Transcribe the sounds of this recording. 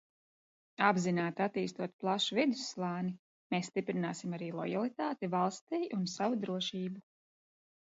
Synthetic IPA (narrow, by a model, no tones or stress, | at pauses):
abzinaːt̪at̪iːst̪uɔt̪̚plˠaʃuvɛd̪u̥slˠaːni | meːsːt̪ipɾinaːsimaɾiːlˠɔjalˠit̪aːt̪ivalˠst̪iːjunsavud̪ɾuɔʃiːbu